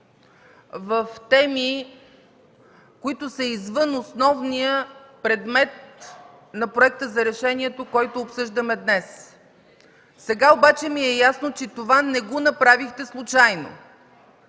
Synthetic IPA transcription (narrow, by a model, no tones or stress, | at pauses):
vəft̪ɛmi | koit̪ʊsɐizvɤnosnɔvnijəpɾɛd̪mɛt̪̚ | nɐpɾoɛk̚t̪əzɐɾɛʃɛniɛt̪okɔjt̪oːpsɤʒd̪əmɛd̪nɛs | sɛɡaobat͡ʃɛmiɛjasnot͡ʃɛt̪ovanɛɡonɐpɾavixt̪ɛslˠʊt͡ʃajno̰